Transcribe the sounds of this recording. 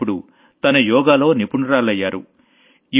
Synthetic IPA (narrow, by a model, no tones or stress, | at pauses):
uɽu | t̪ɐnɐjɔːɡaːlo̞ːnipuɳɾaːlɐjːaːɾṵ | i